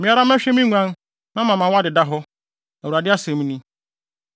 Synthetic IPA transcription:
mja˦ɾa˦m˦e˦ʃe˦mi˦ŋʷa˨ŋ̩˦ | na˦ma˨ma˨ŋʷ˦a˦dɪ˨da˦ɦʊ˦ | o˨ɾa˨dɪ˦a˦se˨mi˦ni˦

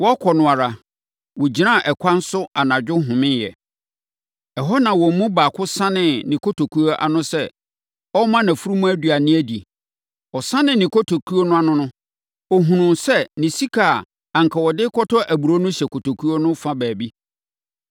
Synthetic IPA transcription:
wɔ˦kʰɔ˨nʊ̃˨a˨ɾa˨ | wʊ˨d͡ʑi˨nã˦˨ʔɛ˨kʷʰã˦n̩˦sʊ˦a˨nã˨d͡ʑᶣʊ˦ɦʊ̃˨mɪ̃˦njɛ̰˨ | ɛ˨ɦɔ˦nã˨wɔ˨m̩˦mũ˦baː˨kʰʊ˦sã˦nɪ̃˨nĩ˨kʰo˦tʰo˨kʰu˦o˦ʔa̰˨nʊ̃˦sɛ˦ | ɔ˦mã˦nã˨fu˦ɾu˦mũ˦æ˦du˨a˨nɪ̃˦æ˦di˨ | ɔ˨sã˦nɪ̃˨nːĩ˨ko˦tʰo˨kʰu˦o˦nʊ̃˦a˦˨nʊ̃˦nʊ̃˦ | ɔ˨ɦũ˨nʊ̃˨nsɛ˦nɪ̃˨si˦kʰa˨ | ã˨ŋ˨kʰa˨wɔ˨dɪ˦kʰɔ˦tʰɔ˦ʔæ˨bu˨ɾo˦nʊ̃˦ɕɛ˨kʰo˨tʰo˨kʰu˦o˦nʊ̃˦fã˦bæː˨bi˦

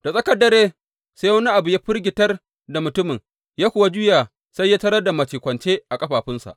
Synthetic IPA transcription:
d̥a˨sʼɐ˦kɐ˦dːɐ˨ɾeː˦ | saː˦jwɐ˦ni˦ʔa˨bʊ˨jaː˦ɸɪ˦rɡʲɪ˨tɐ˦r | da˨mʊ˨tʊ˦mɪ˨ŋ | jaː˦kʷʊ˨wa˦d͡ʒʊ˦jaː˨ | sa˦jːaː˦tɐ˦ɾɐ˦da˨mɐ˨teː˨kʷɐ˨nt͡ʃeː˦ʔa˨kʼɐ˦ɸaː˨ɸɪ˦nsa̰˨ʔ

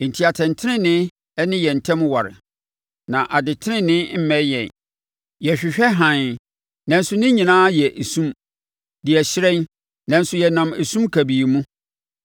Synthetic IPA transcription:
n̩˨tʰi˨a˨tʰɛ̃˨ntʰɪ˦nɪ̃˦nɪ̃˦ | ɛ˦nɪ̃˦jɛ˨n̩˨tʰɛ̃˦mwa˨ɾɪ̰˨ | nã˨ʔa˨dɪ˨tʰɪ˦ɪ̃˦nɪ̃˦m̩˦mɛ̃˦jɛ̰̃˨n | jɛ˨ɕᶣɪ˨ɕᶣɛ˦ɦã˨n | nã˨n̩˦sʊ˨˦nɪ̃˦ɲĩ˨nãː˦jɛ˨ʔe˨sũ˦m | dɪ˨ɛ˨ɕɪ˦ɾɛ̃˦n | nã˨n̩˦sʊ˦jɛ˨nã˨me˨sũ˦mkʰæ˨bi˨mũ˦

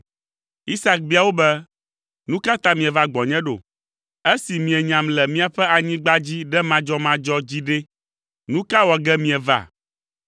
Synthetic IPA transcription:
i˦sa˨k̚bi˦a˨wo˦bɛ˦ | nũ˦ka˦t̪ã˦mĩ˨ɛ˨va˦ɡ͡bɔ˨ɲɛ̃˦ɖo̰˨ | e˦si˨mĩ˨ɛ˨ɲã˨mlɛ˨mĩ˦a˨ɸɛ˦a˨ɲĩ˦ɡ͡ba˦d͡ʑi˦ɖɛ˦mã˦d͡ʒɔ˦mã˦d͡ʒɔ˦d͡ʑi˦ɖe˦ | nũ˦ka˦wɔ˨ɡɛ˦mĩ˨ɛ˨va̰˦˨

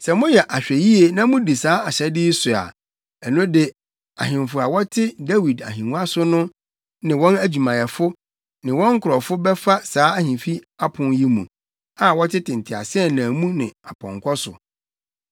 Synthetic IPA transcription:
sɛ˨mʊ̃˦jɛ˨ʔa˨ɕᶣɛ˨ji˦e˨nã˦mʊ̃˦di˨saː˨˦a˨ɕɛ˦dɪ˦sʊ˨a̰˨ | ɛ˨nʊ̃˦dɪ˦ | a˨ɦɪ̃˨m˨fʊ˨a˨wɔ˦tʰɪ˦da˦wi˨da̰˨ɦĩ˨ŋũ˦a˦sʊ˦nʊ̃˦ | nɪ̃˨wɔ̃˦næ˦d͡ʑᶣu˨mã˨jɛ˨fʊ˦ | nɪ̃˨wɔ̃˦ŋ̩˦kʰʊ˨ɾɔ˨fʊ˦bɛ˦fa˦saː˨˦a˦hĩ˨fi˦a˦pʰʊ̃˨nji˦mṵ̃˨ | a˨wɔ˦tʰɪ˦tʰɪ̃˨n˨tʰɪ˨a̰˨sɪ˦ɛ˦˨nã˨mũ˦nɪ̃˨a˨pʰɔ̰̃˨ŋkʰɔ˦sʊ̰˨

